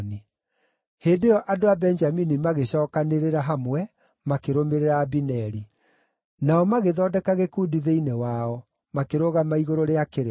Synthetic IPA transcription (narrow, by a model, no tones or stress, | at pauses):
ni | heːdeɔʔadoabɛnd͡ʒaminimaɣeɕɔːkaneɾeɾaɦamwɛ | makeɾomeɾeɾaːbinɛɾi | naɔmaɣeðɔːdɛkaɣekuːdiðeinewaɔ | makeɾoɣamaiɣoɾoɾeakeɾe